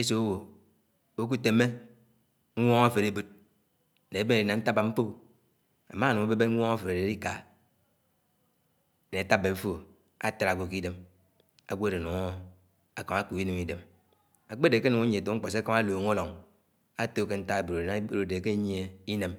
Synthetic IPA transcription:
e˦s̬o˨o˦wo˨ | o˦k̬u˦te˨me˦ | ŋ̩ʷ˦ɔ˦ŋa˦fe˨ɾe˦bu˨t̚ | ne˨˦be˦e˨di˨na˨n̩˦ta˦ba˨m̩˦po˦ | a̰˨ma˦˨nu˨ŋo˦be˦be˦ŋ̩ʷ˦ɔ˦ŋa˦fe˨ɾe˨de˨ɾi˦ka̰˨ | ne˨a˨ta˦bːe˨˦fo˦ | a˦ta˦ɾa˨ɡʷo˨ki˦de˦m | a̰˨ɡʷde˨u˨ŋo˦ | a˨ka˨ma˦ku˨i˦nu˨ŋi˦de˨m | a˨k͡pe˦de˨ke˦nu˨ŋa˦ɲe˨to˨˦ŋ͡m̩˦k͡po˨s̬ka˦ma˦loː˨ŋo˦lo˨ŋ | a˦to˦ke˦n̩˦ta˦e˨bu˨ɾo˨e˨˦ɾo˨de˨ke˦ɲ˦e˦i˦ne˨m

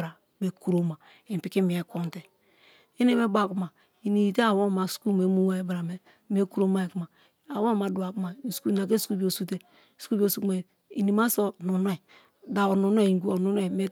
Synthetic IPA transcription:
ɾa˨ | be˨ku˨ɾo˦ma˨ | i˨pi˨ki˦mi˨e˨ko˦nte˨ | i˦ne˦me˦ba˨ku˦ma˨ | i˨ni˨i˨te˦a˨wo˦˨ma˨sku˦me˨˦mu˦wa˦e˨˦bɾa˨me˨ | m˦e˦ku˦ɾo˦ma˦e˨ku˦ma˨ | a˨wo˦˨ma˨du˨a˨ku˦ma˨sku˦˨na˨k̬e˦su̥˨ku˦bi˦o˨su˦te˦ | su̥˦u˦bo˨su˦kma˨ | i˨ni˨ma˦so˦nu˨n˦ɛ˨ | da˨o˨nu˨n˦e˦˨ɡu˦o˨nu˨˦n˦e˦˨me˦

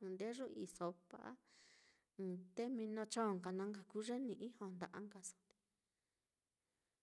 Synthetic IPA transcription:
nd̪e˦ʐũ˦i˧so˧pa̰˧ʔã˦˧˨ | t̪e˦mĩ˧nõ˧t͡ʃõ˦˨ŋɡa˨nã˧ŋɡa˨ku˦ʐe˦nĩ˧ʔĩ˦hõ˧˨nd̪a˨˧ʔa˧ŋɡa˧sõ̥˧d̪e̥˧

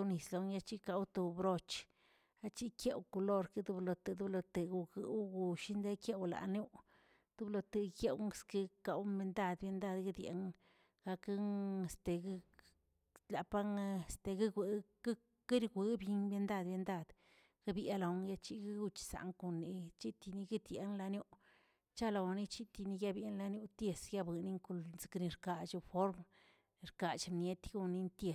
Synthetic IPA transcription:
ni˨slo˨˧ŋja˦t͡ʃi˦ka˧wt̪o˨bɾo˧t͡ʃ | a˦t͡ʃi˦kje˦wko˧lo˧ɾki˦d̪u˧blo˧t̪e˨d̪u˦blo˧t̪e˨ɡu˨ɡɨ˨˦wɡu˨ʃi˦nd̪e˦kje˦wla̰˨nu˦ | d̪̥u˦blo˧t̪e˧kje˦wŋ˦ski˦ka˧wme˧nd̪a˦˧d̪bje˧nd̪a˧d̪ɡi˦d̪ʲjḛ˨ŋ | ɡ̥a˧kŋe˨st̪e˨ɡ | la˨pa˦ŋe˨st̪e˨ɡi˦ɡʷi̥˨˦ | ki˦ɾɡʷi˧˦bji˧nbe˧nd̪a˦˧d̪bje˧nd̪a˦˧d̪̥ | ɡ̥a˦bja˧la˨˧˦ŋja˧t͡ʃi˦ɡi˦ɡu˧t͡ʃsa̰˨ŋku˧nːi˧˨t͡ʃi˦t̪i˧ni˧ɡi˦d̪jḛ˨nla˧njo˦ʔ | t͡ʃa˦la˧˨wni˦t͡ʃi˦t̪i˧ni˧ja˦˧bje˧˦nla˧njo˦˧t̪je˧sɡa˦bɨ˨ni˦ŋku˧lzɨ̥˨kni˧ɾka˨t͡ʃu˧fo˦ɾm˧ | ɾka˨t͡ʃmnje˦t̪ɡu˧ni˧nt̪je˧s

